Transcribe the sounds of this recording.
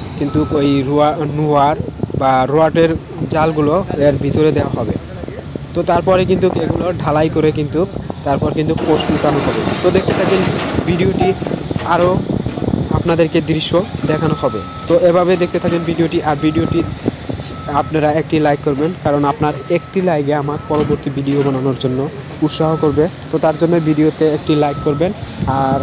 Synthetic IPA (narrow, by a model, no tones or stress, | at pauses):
kint̪ukojɾuanuaɾbaɾoaʈeɾ | d͡ʑalɡuloeɾbʱit̪oɾed̪eoaɦɔbḛ | t̪ot̪aɾpɔɾek̬int̪ukeɡuloɖʱalajkoɾekint̪ukt̪aɾpɔɾkint̪uposʈukanoɦɔbḛt̪od̪ek̚t̪et̪ʰakenbʱiɖioʈiaɾo | apnad̪eɾked̪ɾiʃːod̪ɛkʰanoɦɔbḛ | t̪oʔebʱabed̪ek̚ʰt̪et̪ʰakenbʱiɖioʈiʔaɾbʱiɖioʈi | apnaɾaek̚ʈilajkːoɾbenkaɾonapnaɾek̚ʈilajɡeamak̚pɔɾoboɾt̪ibiɖiobananoɾd͡ʑonːo | ut̪ʃaɦokoɾbet̪ot̪aɾd͡ʑonːobiɖiot̪eek̚ʈilajkːoɾbenaɾ